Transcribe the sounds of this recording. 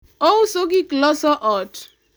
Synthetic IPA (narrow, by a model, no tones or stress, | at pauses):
ɔsoɡiklɔsɔʔɔt